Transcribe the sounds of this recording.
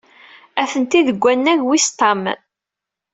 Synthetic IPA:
æθənt̪iðəɡʷːænːæʝwist̪ːɑm

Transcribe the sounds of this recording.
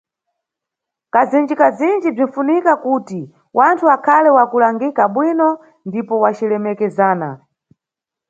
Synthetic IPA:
kazind͡ʒikazind͡ʒib͡ʐinfunikakuti | wʔantʰuakʰalɛwakulaŋɡikaɓwinɔ | ndipɔwat͡ʃilɛmɛkɛzaːna̰

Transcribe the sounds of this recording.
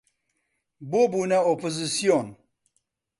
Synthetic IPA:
boːbuːnɐopozisijon

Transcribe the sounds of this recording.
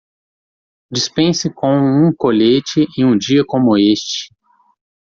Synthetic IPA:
d͡ʒispẽsɪkõũkoʎet͡ʃɪʔẽũd͡ʒiɐkõmʊest͡ʃɪ̥

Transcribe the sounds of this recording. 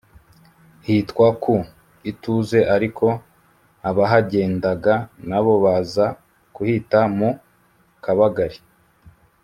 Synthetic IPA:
hitkwaku | ituze̞ʔaɾikʰo̞ | aβaɦaɟe̞ːndaɡanaβo̞βaza | kuhitamu | kaβaɡaɾi

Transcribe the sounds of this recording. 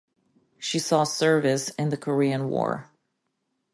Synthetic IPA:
ʃisɔsɜ˞vɨsɨ̃nðɨkʰə˞iɨ̃nwɔ̰ɹ

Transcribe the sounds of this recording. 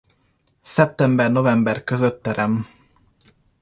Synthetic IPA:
sɛp̚t̪ɛmbɛrno̞vɛmbɛrkøzøt̪ːɛɾɛm

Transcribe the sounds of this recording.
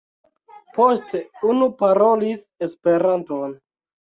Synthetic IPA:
po̞ste̞unupaɾo̞lis | e̞spe̞ɾanto̞n

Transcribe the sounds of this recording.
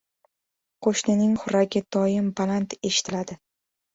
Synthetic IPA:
qʰoʃnɪnɪŋχʊɾaɡʲɪd̪̥ɒjɪmbalant̪e̞ʃɪ̥t̪ʰɪlad̪ɪ

